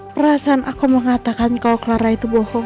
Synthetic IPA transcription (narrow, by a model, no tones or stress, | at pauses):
pəɾasaːnʔakuməŋat̪akankalokəlaɾait̪ubɔhɔ